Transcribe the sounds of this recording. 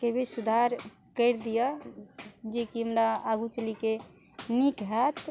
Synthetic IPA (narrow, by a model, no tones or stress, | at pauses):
kebʱisud̪ʱaɾ | kəɾd̪ijə | d͡ʒekiɦəmɾaaɡut͡ʃəlike | nikɦɛt̪